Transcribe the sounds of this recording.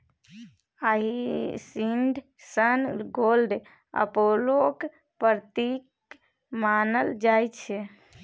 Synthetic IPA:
aɦisiɳɖʱ | sənɡolɖ | ə̰polok | pəɾt̪ik | manəld͡ʒajt͡ʃʰɛ

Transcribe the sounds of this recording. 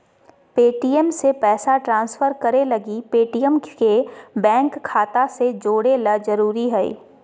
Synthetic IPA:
peːʈiːɛmsepɛːsaʈɾãːnsfəɾkɐɾelɐɡipeːʈiːəmkebɛ̃ːŋkʰːaːt̪ased͡ʒoːɽeləzɐɾuːɾiɦɛḭː

